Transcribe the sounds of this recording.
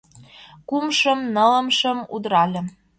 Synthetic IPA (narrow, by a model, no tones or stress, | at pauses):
kumʃəmnə̆lə̆mʃə̆mṵd̪ɾɑlʲə̆